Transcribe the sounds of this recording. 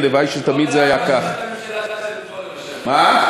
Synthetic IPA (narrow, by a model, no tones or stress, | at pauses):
levajʃet̪amid̪zeajakaχ | ma